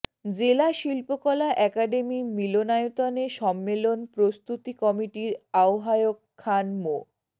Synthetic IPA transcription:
d͡ʑelaʃilpokɔlaʔɛkaɖemimilonajot̪aneʃɔmːelonpɾost̪ut̪ikɔmiʈiɾaoɦajokʰːanmo

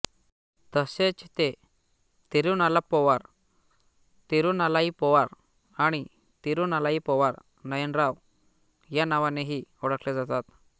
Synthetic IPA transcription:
t̪əset͡ɕt̪e | t̪iɾuːnalapɔʋaɾ | t̪iɾunalaipɔʋaɾ | aɽ̃i | t̪iɾuːnalaipɔʋaɾ | nəjənɾaw | janaʋaneɦiɔɽəkled͡zat̪at̪

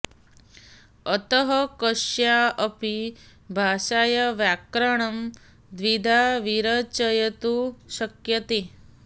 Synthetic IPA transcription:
ət̪əɦɐkəʃjaəpi | bʱaːʃajɐʋjakɾɐɳ̃ɐm | d̪ʋid̪ʱaʋiɾɐt͡ʃəjɐt̪uʃɐkjɐt̪e

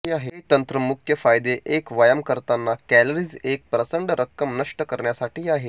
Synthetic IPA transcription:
iːaɦet̪ənt̪ɾəmukʰjəfajd̪eʔekʋəjəmkəɾt̪anːakæləɾiːd͡zek̚pɾəsəɳɖɾʔəkːəmnəʂʈəkəɾɳjasaʈʰiːaɦe

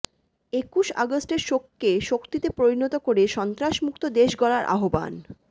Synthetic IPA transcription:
ekuʃa̰ɡosʈeɾʃokːeʃokt̪it̪epɾoɾinot̪okoɾeʃɔnt̪ɾaʃmukt̪od̪eʃɡɔlaɾʔa̰ɦoba̰n

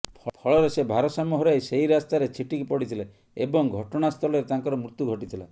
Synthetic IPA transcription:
pʰpʰɔɭɔɾesebʱaɾɔsamuɦɔɾajseɦiɾast̪aɾet͡ʃʰiʈikipɔɽit̪ʰile | ebɔŋɡʱɔʈɔɽ̃ast̪ʰɔlɔɾet̪aŋkɔɾɔmɾut̪juɡʱɔʈit̪ʰila

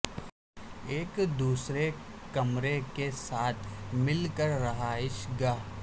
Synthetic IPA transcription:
eːkd̪uːsɾekɐmɾekesaːt̪ʰmɪlkəɾːɐɦaɪʃɡaː

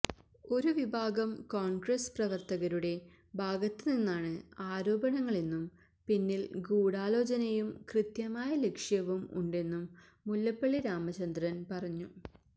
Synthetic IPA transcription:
o̞ɾuʋibʱaːɡɐmkoːɳɡrɐsprɐʋɐrt̪ɐɣɐɾuɽe̞ | bʱaːɡɐt̪ːɨninːaːɳɨaːɾo̞ːbɐnɐŋːɐɭenːum | pinːilɡuːɽaːlo̞ːd͡ʑɐnɐjumkrɨt̪jɐmaːjɐle̞kʂjɐʋumṵɳɖe̞nːumː | ulːɐpːɐɭːiɾaːmɐt͡ɕɐnd̪rɐnpɐrɐɲːu

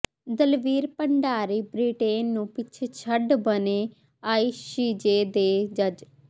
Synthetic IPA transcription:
d̪əlʋiːɾpəɳɖaːɾiːbɾiːʈeːnːũːpɪt͡ʃʰet͡ʃʰəɖbəneː | aːiːʃiːd͡ʒeːd̪eːd͡ʒəd͡ʒ

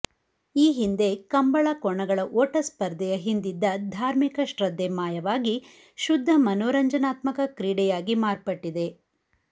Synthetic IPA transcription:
iːɦind̪e̞kɐmbɐɭɐkɔɳɐɡɐɭɐʔoːʈɐspɐɾd̪ɛjɐɦind̪id̪ːɐd̪ʱaːɾmikɐʃɾɐd̪ʱːemaːjɐʋaːɡi | ʃud̪ʱːɐmɐnoːɾɐɲd͡ʒɐnaːt̪mɐkɐkɾiːɽɛjaːɡimaːɾpɐʈːid̪e̞

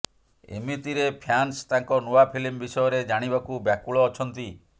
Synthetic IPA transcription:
ḛmit̪iɾepʰjanst̪aŋkɔnoapʰilimbisɔjɔɾed͡ʒaɽ̃ibakubjakuɭɔːt͡ʃʰɔnt̪i

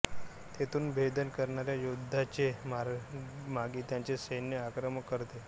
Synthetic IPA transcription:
t̪et̪ʰuːnbʱed̪ənkəɾɳaɾjajud̪ʱːat͡ɕemamaɡiːt̪jãɲt͡sesənjəakɾəməkːəɾt̪e

